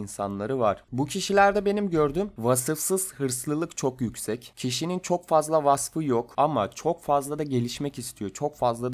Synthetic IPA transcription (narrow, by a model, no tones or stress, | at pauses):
insanlˠaɾɯvaɾ̥bucʰiʃilʲæɾd̪ɛbe̞nimɟøɾd̪ymvasɯfsɯz̥hɯɾslˠɯlˠɯkt͡ʃʰo̞kjycsɛccʰiʃinint͡ʃʰo̞kfazlˠavasfɯjokamat͡ʃʰo̞kfazlˠad̪aɟe̞lʲiʃmɛcist̪ʰijo̞t͡ʃʰo̞kfazlˠad̪